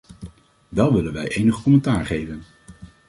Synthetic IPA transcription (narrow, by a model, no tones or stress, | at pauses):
ʋɛlˠʋɪlənʋɛjʔejnəχkɔmɛntaːɹχejvən